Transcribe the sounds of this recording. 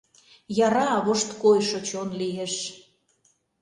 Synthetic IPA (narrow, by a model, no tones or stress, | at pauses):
jɑɾɑβoʃt̪kojʃot͡ɕonlieʃ